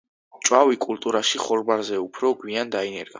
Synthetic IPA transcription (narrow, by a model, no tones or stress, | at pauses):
t͡ʃʼwavikʼult̪ʼuɾaʃiχɔɾbaɾzɛupʰɾɔɡwiand̪ainɛɾɡ̥a